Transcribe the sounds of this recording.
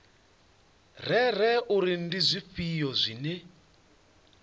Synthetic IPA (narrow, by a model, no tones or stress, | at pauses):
rɛɾɛuɾin̩dizʷifijɔzʷinɛ